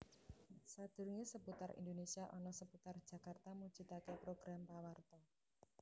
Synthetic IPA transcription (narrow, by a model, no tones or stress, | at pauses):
sad̪̥ṳrŋesəput̪arʔḭnd̪onesiaʔɔnɔsəput̪ard̥ʒ̥a̤kart̪amu̥ʒ̥i̤t̪akepɾoɡ̥ɾampawart̪ɔ